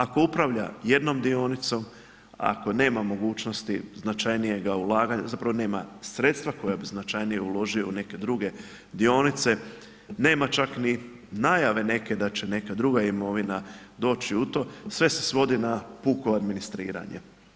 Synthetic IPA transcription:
ako̞upɾaʋʎa̰je̞d̪no̞md̪io̞nit̪so̞m | a̰ko̞ne̞ːmamo̞ɡuːt͡ʃno̞st̪iznat͡ʃajnije̞ɡaulˠaːɡaɲa̰zapɾaʋo̞ne̞ːmasɾe̞t̪st̪ʋako̞jabiznat͡ʃajnijeulo̞ʒioune̞ke̞d̪ɾuɡe̞ | d̪io̞nit̪se̞ | ne̞ːmat͡ʃakni | najaʋe̞ne̞ke̞d̪at͡ʃe̞ne̞kad̪ɾuɡaimo̞ʋinad̪o̞ːt͡ʃiut̪o̞ːsʋe̞se̞̥sʋo̞d̪inapuːkuad̪minist̪ɾḭːɾa̰ɲḛ

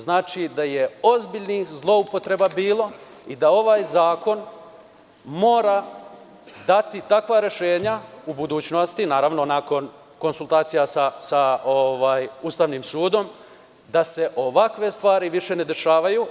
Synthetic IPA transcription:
znaːt͡ʃid̪aje̞o̞zbiʎnixzlˠo̞upo̞t̪ɾe̞babiːlˠo̞id̪ao̞ʋaːjzaːko̞n | mo̞ːɾa | d̪at̪it̪akʋaɾe̞ʃe̞ːɲaubud̪uːt͡ɕnost̪inaːɾaʋno̞nako̞n | ko̞nsulˠt̪aːt̪sijasasaoʋaːjust̪aːʋniːmsuːd̪o̞m | d̪ase̞ʔo̞ʋakʋe̞st̪ʋaːɾiʋiʃe̞ne̞d̪e̞ʃaːʋaju

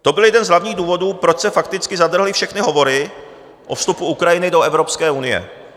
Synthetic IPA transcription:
t̪o̞bɪljɛdɛnzɦlavɲiːɣduːvo̞duːpɾot͡ʃsɛfakt̪ɪt͡skɪzad̪r̩ɦlɪfʃɛxnɪɦo̞vo̞ɾɪ | ʔo̞fst̪upuukɾajɪnɪdo̞ɛvɾo̞pskɛːunɪjɛ̰

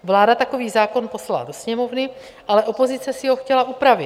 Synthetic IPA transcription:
vlaːdat̪ako̞viːzaːko̞npo̞slala̰do̞sɲɛmo̞vnɪ | ʔalɛʔo̞po̞zɪt͡sɛsɪɦo̞xcɛlaʔupɾavɪ

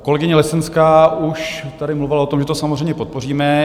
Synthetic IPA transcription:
kolɛɡɪɲɛlɛsɛnskauʃt̪adɪmluvɪlaot̪omʒɛt̪osamozr̝ɛjmɲɛpo̞t̪̚po̞riːmɛ

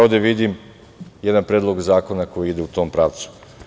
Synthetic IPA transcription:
od̪eʋid̪im | jed̪anpɾed̪lˠo̞ɡzaːko̞nako̞jiid̪e̞ut̪o̞ːmpɾaʋt̪su̥

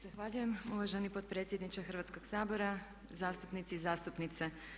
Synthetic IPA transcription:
z̥axʋaːʎujemuʋaʒenipot̪̚pɾe̞t̪sʲjed̪nit͡ʃexrʋat̪ko̞ɡ̥saːbo̞ɾa | zaːst̪upnit̪sizaːst̪upnit̪se

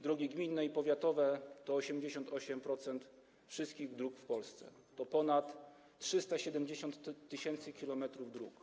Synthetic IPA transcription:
d̪ɾɔɡʲiɡmʲinːɛipɔvʲjat̪ɔvɛt̪ɔːɕɛmd͡ʑeɕɔnt̪ɔɕɛmpɾɔt̪sɛnt̪ | fʂɘst̪kʲiɣd̪ɾukfpɔlst̪sɛ̰ | t̪ɔpɔnat̪ː | ʂɘst̪aɕɛd̪ɛmd͡ʑeɕɔnt̪ːɘɕɛnt̪sɘkʲilɔmɛt̪ɾuvd̪ɾuk

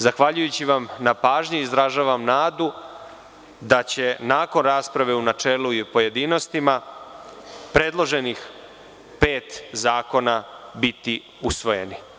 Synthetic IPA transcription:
zaxʋaʎujut͡ɕiʋamnapaːʒɲiizɾaʒaːʋamnaːd̪u | d̪at͡ɕe̞naːko̞nɾaːspɾaʋe̞unat͡ʃe̞ːluipo̞je̞d̪ino̞st̪ima | pɾe̞d̪lˠo̞ʒe̞nix | pe̞ːt̪zaːko̞nabit̪i | usʋo̞je̞̰ni

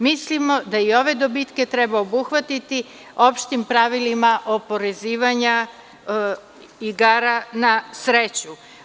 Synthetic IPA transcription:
mislimo̞d̪aio̞ʋe̞d̪o̞bit̪ke̞t̪ɾebaobuxʋat̪it̪i | o̞pʃt̪impɾaʋilimaʔopo̞ɾeziːʋaɲa | iɡaɾanasɾet͡ɕu

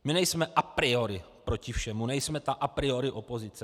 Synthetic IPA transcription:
mɪnɛjsmɛʔapɾɪo̞ɾɪ | pɾo̞cɪfʃɛmunɛjsmɛt̪aʔapɾɪo̞ɾɪʔo̞po̞zɪt͡sɛ

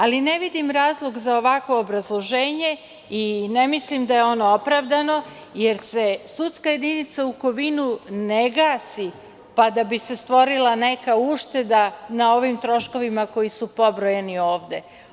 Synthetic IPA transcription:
aline̞ʋid̪imɾaːzlˠo̞ɡzao̞ʋakʋo̞ːbɾazlˠo̞ʒeːɲe̞ | ine̞mislimd̪ajeo̞no̞opɾaʋd̪ano̞ | jeɾse̞sut̪skaje̞d̪init̪sauko̞ʋinuneɡaːsi | pad̪abise̞st̪ʋo̞ɾilˠane̞kauʃt̪e̞d̪anao̞ʋimt̪ɾo̞ʃko̞ʋimako̞jisupo̞bɾojenio̞ːʋd̪e̞

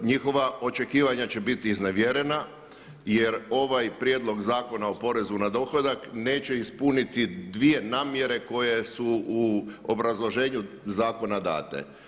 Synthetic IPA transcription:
ɲixo̞ʋaʔo̞t͡ʃe̞kiːʋaɲat͡ɕe̞bit̪iːzneʋjeɾe̞na | jeɾo̞ʋajpɾjed̪lo̞ɡzaːko̞nao̞po̞ɾe̞zunad̪o̞xlod̪akne̞ːt͡ɕe̞ispunit̪id̪ʋije̞naːmje̞ɾe̞ko̞je̞suuobɾazlˠo̞ʒe̞ːɲu | zaːko̞nad̪a̰ːt̪ḛ

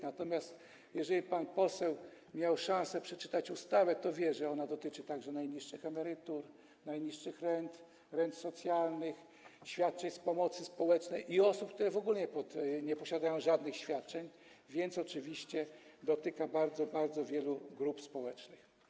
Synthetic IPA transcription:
nat̪ɔmʲjast̪ | jɛʐɛlʲipanpɔsɛw | mʲjawʂãñsɛpʂɛt͡ʂɘ̥t̪at͡ɕust̪avɛt̪ɔvʲjɛʐɛɔnad̪ɔt̪ɘt͡ʂɘt̪aɡʐɛnajɲiʂɘxɛmɛɾɘt̪uɾ | najɲiʂʂɘxɾɛnt̪ | ɾɛnt̪sɔt̪sʲjalnɘx | ɕfʲjat̪̚t͡ʂɛɲspɔmɔt̪sɘspɔwɛt͡ʂnɛjʔiɔsup̚k̚t̪uɾɛvɔɡulɲɛpɔt̪ɲɛpɔɕad̪ajɔ̃w̃ʐad̪nɘxɕfʲjat̪̚t͡ʂɛɲ | vʲjɛnt̪sɔt͡ʂɘvʲiɕt͡ɕɛd̪ɔt̪ɘkabaɾd̪zɔbaɾd̪zɔvʲjɛluɡɾupspɔwɛt͡ʂnɘx

